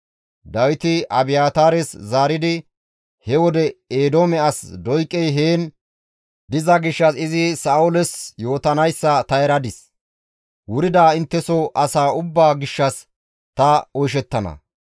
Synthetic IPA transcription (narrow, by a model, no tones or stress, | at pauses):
d̪ɐwɪt̪ɪʔɐbɪjaːt̪aːɾɛszaːɾɪd̪ɪ | hɛwɔd̪ɛeːd̪oːmɛɐsd̪ɔjkʼːɛjɦeːn | d̪ɪzɐɡɪʃːɐsɪzɪsaːʊlɛsjo̞ːt̪ɐnɐjsːɐt̪ɐɛɾɐd̪ɪs | wʊɾɪd̪aːɪnt̪ːɛsɔʔɐsaːʊbːaːɡɪʃːɐs | t̪ɐɔjʃ̬ɛt̪ːɐnɐ̰